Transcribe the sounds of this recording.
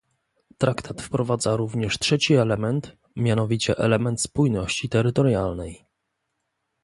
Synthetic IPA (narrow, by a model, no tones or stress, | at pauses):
t̪ɾakt̪ʰat̪fpɾɔvad̪zaɾuvɲɛʂtʂɛt͡ɕiɛlɛmɛnt̪ | mʲjanɔvʲit͡ɕɛʔɛ̰lɛmɛnt̪spujnɔɕt͡ɕit̪ɛɾɘt̪ɔɾjalnɛj